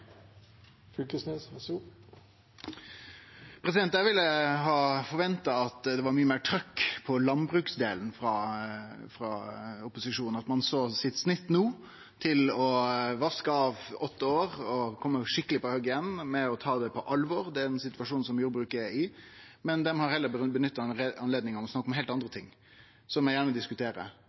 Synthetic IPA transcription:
fʏlkəsnessu | pʰɾɛsɪd̪ɛnt̪jæʋɪlːəɦɑːfɔɾʋɛnt̪ɑɑt̪d̪ɛʋɑɾmyːəmeːʈʰɾœkːpʰɔlɑnbɾʉːksd̪eːln̩fɾɑː | fɾɑʊpʊsɪʂuːnn̩ɑt̪mɑnsoːsɪt̪snɪt̪ːnuː | t̪ʰɪlɔʋɑskəɑːʋɔt̪ːəoːɾɔkʰɔmːəʂɪkːəlɪpɔhœɡəjɛnːmɛɔt̪ʰɑːd̪ɛpʰɔʔɑlʋɔɾd̪ɛæɾɛnsɪt̪ʋɑʂuːnsɔmjuːɾbɾʉːkɛɪ | mɛnd̪ɛmhɑɾhɛlːəbənʏt̪ːɑɑnleːd̪nɪŋɔmɔsnɑkːɔmɦeɪlt̪ɑnd̪ɾət̪ʰɪŋː | sɔmjæjæːɾɳəʋɪld̪ɪskʉt̪ʰeːɾə̰

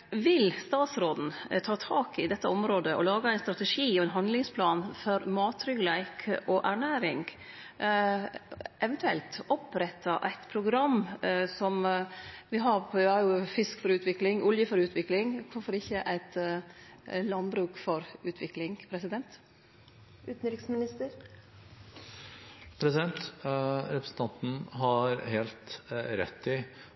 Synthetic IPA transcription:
ʋɪlst̪ɑːt̪sɾoːd̪n̩t̪ʰɑːt̪ʰɑːkɪd̪ɛt̪ːəɔmɾoːd̪əʔɔ̰lɑːɡəæɪnst̪ɾɑt̪ɛʂiːɔɛnɦɑnd̪lɪŋspʰlɑːnfɔɾmɑːt̪ʰɾʏɡlæɪkʰʔɔʔæɳæːɾɪŋɡ | ʔɛʋɛnt̪ʉɛlt̪ɔpɾɛt̪ʰːɑʔæɪt̪pʰɾʊɡɾɑmːsɔm | ʋɪɦɑɾæɾjʊfɪskfɔɾʉːt̪ʰʋɪklɪŋʊljəfɔɾʉːt̪ʰʋɪklɪŋkʰʊfɔɾɪçːəʔæɪt̪ | lɑnbɾʉːkfɔɾʉːt̪ʰʋɪklɪŋpʰɾɛsɪd̪ɛnt̪ | ʉːt̪n̩ɾɪksmɪnɪst̪əɾ | pʰɾɛsɪd̪ɛnt̪ɾɛpɾəsn̩t̪ʰɑnt̪n̩ɦɑɾheːlt̪ɾɛ̰t̪ːɪ

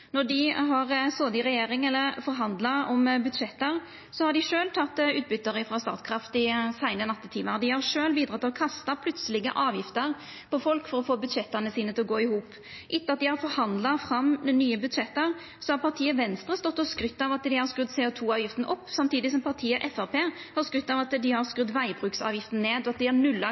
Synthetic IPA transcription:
nɔɖɪɦɑɾsoːd̪ɪʁɛjeːɾɪŋɛlːəɾfɔɾɦɑnd̪lɑɔmbʉd̪ʂɛt̪ːəɾ | sɔhɑɾɖɪʂøːlt̪ʰɑt̪ːʉːt̪̚bʏt̪ːəɾəfɾɑst̪ɑ̰ːt̪kʰɾɑft̪ɪsæɪnənɑt̪ːət̪ʰiːməɾd̪ɪhɑɾʂøːlbiːd̪ɾɑt̪ːɪlɔkʰɑst̪ɑpʰlʉt̪səlɪɡə̰ʔɑːʋjɪft̪əɾ | pʰɔfɔlkfɔɾɔfoːbʉd̪ʂɛt̪ːənəsiːnət̪ʰɪlɔɡoːɪhuːp | ʔɪt̪ːəɑt̪̚d̪ɪhɑɾfɔɾhɑnd̪lɑfɾɑmːnyːəbʉd̪ʂɛt̪ːəɾ | sɔhɑɾpɑt̪ʰiːəʋɛnst̪ɾəst̪ɔt̪ːɔskɾʏt̪ːɑʋɑt̪d̪ɪhɑɾskɾʉd̪seʊt̪ʰuːɑːʋjɪft̪n̩ʔɔpːsɑmt̪iːd̪ɪs̬ɔmpʰɑɾt̪ʰiːəʔɛfæpeːhɑɾskɾʏt̪ːɑʋɑt̪d̪ɪhɑɾskɾʉd̪ʋæɪbɾʉːksɑ̰ːʋjɪft̪n̩ːeːd̪ɔɑt̪̚d̪ɪæɾnʉlːɑ

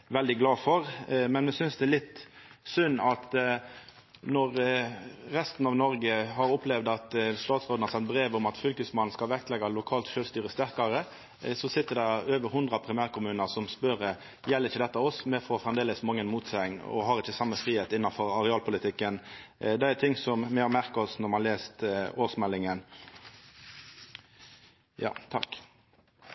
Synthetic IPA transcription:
ʋɛld̪ɪɡlɑːfɔɾmɛnmɛsʏnsd̪ɛælɪt̪ːsʏnːɑt̪ | nɔɾː | ɛst̪n̩ɑʋnɔɾɡəɦɑɾʊplɛʋd̪ɑt̪st̪ɑːt̪sʁoːd̪n̩hɑɾsɛt̪̚bɾeːʋʊmɑt̪fʏlkʉsmɑn̩skɑlʋɛk̚t̪lɛɡːɑlʊkʰɑːlt̪ʃøːlst̪yːɾəst̪æɾkɑɾə | sɔsɪt̪ːəd̪ɛøːʋəɾɦʊnd̪ɾɑpʰɾɪmæːɾkʊmʉːnəʁsɔmspœɾə | jɛləʁɪçːəd̪ɛt̪ːɑɔsmɛfɔɔfʁɛmd̪eːləsmɑŋːənmuːt̪sɛnɔ̰ɦɑɾɪçːəsɑmːəfʁiːheːt̪ɪnːɑfɔɾɑɾɛɑːlpʰʊlɪt̪ʰɪkːənd̪ɛæt̪ʰɪŋsɔmmɛhɑɾmæʁkɔsnɔʁmɑhɑleːst̪oːsmɛlːɪŋən | jɑ̰ːt̪ʰɑ̰k

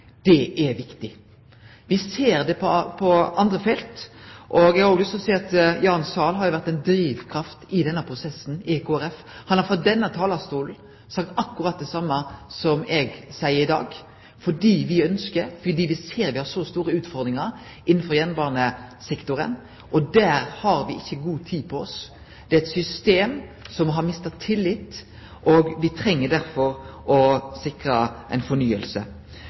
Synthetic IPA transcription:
d̪̥ɛʔɛʋɪkt̪ɪ | ʋɪseːɾd̪ɛpʰɔpʰɔɑnd̪ʁəfɛlt̪ʔɔɡɛɡɑɾʊɡlʏst̪ɔsɛːɑt̪jɑːnsɑːlɦɑɾjʊʋæɾt̪ːɛɪnd̪ɾiːʋkʰɾɑft̪ɪd̪ɛnːəpʰɾʊsɛsn̩ɛkʰoːæɾɛf | hɑnhɑɾfɔt̪̚d̪ɛnːət̪ʰɑːlɑst̪uːln̩ | sɑk̚t̪ɑkːʉɾɑt̪̚d̪ɛsɑmːəsɔmɛɡsæɪəɾɪd̪ɑ̰ːɡ | fɔɖiːʋɪœnskəɾfɔd̪iːʋɪseːɾʋɪhɑʂɔst̪uːɾəʉːt̪fɔɾd̪ɾɪŋɑɾ | ʔɪnːn̩fɔɾjɛnbɑːʁnəsɪkt̪ʊɾə̰n | ʔɔd̪æːɾhɑɾʋɪɪçːəɡuːt̪ʰiːpʰɔɔs | d̪̥ɛæɾɛt̪sʏst̪eːmsɔmɦɑɾmɪst̪ɑt̪ʰːɪlːɪt̪ː | ʔɔɡʋɪt̪ʰɾɛŋːəɖ̪æɾfɔɾʔɔsɪkɾəʔæ̰ɪnfɔɳyːəlsə̰

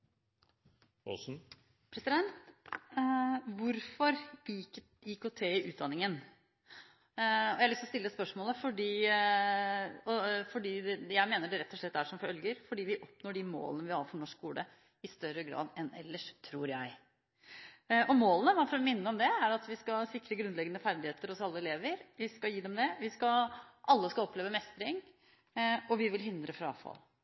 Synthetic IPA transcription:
ɔ̰sn̩ | pʰɾɛsɪd̪ɛnt̪ | ʋʊɾfɔɾ | ikot̪ʰeːɪʔʉːt̪̚d̪ɑnːɪŋən | ɔjæhɑlʏst̪ɔst̪ɪlːəspœʂmoːləfɔɖiː | ɔfɔɖiːd̪ɛjæɪmeːnəɖɛɾɛt̪ːɔʂɭɛt̪ːæʂɔmfœlɡəɾfɔɖiːʋɪʔɔpnoːɖɪmo̰ːlənəʋɪhɑɾfɔɳɔʂksuːlə | ɪst̪œɾəɡɾɑ̰ːd̪ɛnɛ̰lːəʂt̪ʰɾuːɾjæɪ | ɔmoːlənəʋɑfɔɾɔmɪnːəɔmd̪ɛæɾɑt̪ʋɪskɑsɪkːɾəɡɾʉnlɛɡənəfæɾd̪ɪheːt̪əɾɔsɑlːəɛleːʋəɾʋɪskɑjiːd̪ɛmd̪ɛʋɪskɑʔɑlːəskɑɔpleːʋəmɛst̪əɾɪŋ | ɔʋɪʋɪlɦɪnd̪ɾəfɾɑɑ̰fɑ̰l

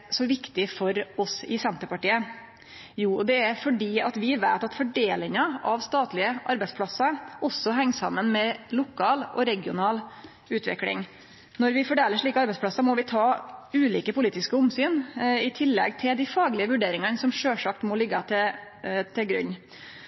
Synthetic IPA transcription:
sɔʋɪkt̪ɪfɔɾɔsɪsɛnt̪əɾpɑʈiːə | juːd̪ɛæɾfɔɖiːɑt̪ʋɪʋæɪt̪ɑt̪fɔɖeːlɪŋɑʔɑʋst̪ɑːt̪lɪəʔɑɾbɛɪspʰlɑsːɑɾʔɔsːɔɦæŋːsɑ̰mːənmɛlʊkɑːlʔɔ̰ɾɛɡɪʊ̰nɑːl | ʉːt̪ʰʋɪ̰klɪ̰ŋ | nɔɾʋɪfɔɖeːləʂɭiːkəɑɾbɛɪspʰlɑsɑmɔʋɪt̪ʰɑːʉːliːkəpʊliːt̪ɪskəʊmsyːnɪt̪ʰɪlːɛ̰ɡt̪ʰɪld̪ɪfɑːɡlɪəʋʉɖeːɾɪŋɑnsɔmʂøːʂɑk̚t̪mɔlɪɡːɑt̪ʰɪ | t̪ʰɪɡɾʉ̰ɲː

